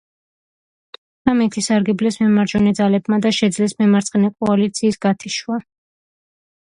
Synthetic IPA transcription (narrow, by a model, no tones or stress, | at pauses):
d̪amɛt̪ʰisaɾɡɛblɛsmɛmaɾd͡ʒɔnid̪zalɛbmad̪aʃɛd̪zlɛsmɛmaɾt̪sʼχʼɛnɛkʼɔalit̪sʰiːsɡ̥at̪ʰiʃwa